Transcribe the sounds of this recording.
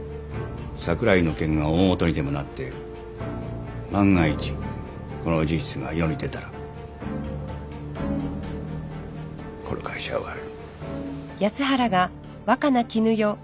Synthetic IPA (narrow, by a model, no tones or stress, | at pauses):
sakɯ̟ɾaino̞kẽ̞ŋɡaoːmot̪o̞ɲʲid̪e̞mo̞nat̪ːe̞ | mãŋɡait͡ɕi̥ | ko̞no̞d͡ʑiɕi̥t͡sɨɡa̰jo̞ɲ̟ʲid̪e̞t̪aɾa | ko̞ɾo̰kʰaiɕa̰o̰βa̰ɾɯɯ | jasɨɦaɾaɡa | βakanakʲinɯ̟jo̞